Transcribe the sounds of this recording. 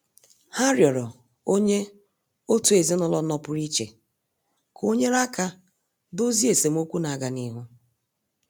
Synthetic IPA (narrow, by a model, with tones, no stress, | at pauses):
ha˦ɾjɔ˨ɾɔ˨ | o˦ɲe˦ | o˦tu˨e˨zi˦nɔ˦lɔ˦nɔ˦pʊ˦ɾi˦t͡ʃḛ˨ | kʰo˦ɲe˦ɾa˦ka˦ | do˦zi˦e˨se˨m̩˦o˦kʷu˦na˨a˨ɡa˨ni˦ɦu˦